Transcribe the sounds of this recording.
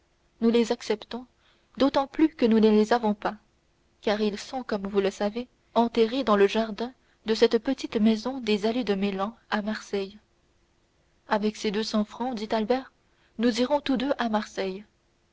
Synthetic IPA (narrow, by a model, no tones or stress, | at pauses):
nulezaksɛpt̪ɔ̃ | d̪ot̪ɑ̃plykənunəlezavɔ̃pa | kaːʁilsɔ̃kɔmvuləsave | ɑ̃t̪ɛʁed̪ɑ̃ləʒaʁd̪ɛ̃ | d̪əsɛt̪pət̪it̪mɛzɔ̃d̪ezaled̪əmelɑ̃amaʁsɛj | avɛksed̪øsɑ̃fχɑ̃d̪it̪albɛːʁ | nud̪iʁɔ̃t̪ud̪øʔamaʁsɛj